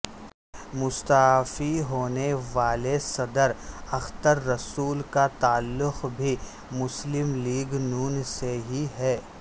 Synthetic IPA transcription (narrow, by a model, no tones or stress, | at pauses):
mʊst̪aɦfiɦoːneʋaːlesɐd̪əɾɐxt̪əɾːɐsuːlkat̪aːlːʊxbʱi | mʊslɪmliːɡnuːnseɦiɦɛː